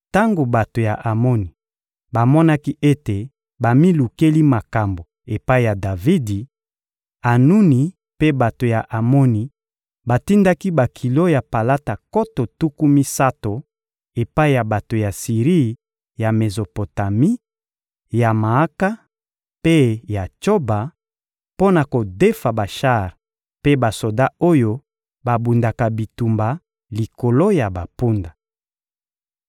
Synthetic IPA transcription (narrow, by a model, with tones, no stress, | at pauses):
ta˦ŋɡo˨ba˨to˨ja˨ʔa˨mɔ˦ni˨ | ba˨mɔ˦na˦ki˦e˦te˨ | ba˨mi˦lu˨ke˦li˦ma˨ka˨mbo˨ | e˨pa˦i˨ja˨da˨vi˦di˨ | a˨nu˦ni˨ | pe˦ba˨to˨ja˨ʔa˨mɔ˦ni˨ | ba˨ti˦nda˦ki˦ba˨kʰi˨lo˦ja˨pa˨la˦ta˨ko˦to˨tu˦ku˦mi˦sa˦to˨ | e˨pa˦i˦˨ja˨ba˨to˨ja˨si˨ʁi˦ | ja˨me˨zo˨po˨ta˨mi˦ | ja˨ma˨a˦ka˦ | pe˦ja˨t͡ʃo˦ba˨ | po˦na˨ko˨de˦fa˨ba˨ʃa˦˨ʁ | pe˦ba˨so˨da˦o˦jo˦ | ba˨bu˨nda˨ka˨bi˨tu˨mba˨ | li˨ko˨lo˦ja˨ba˨pu˦nda˨